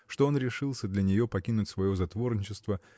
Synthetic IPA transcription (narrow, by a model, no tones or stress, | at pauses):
ʂt̪o̞o̞nɾʲɪʂɨlˠsʲəd̪lʲɐnʲɪjo̞pɐkʲinʊtʲsvɐjo̞zɐt̪vo̞rnʲɪt͡ɕɪst̪və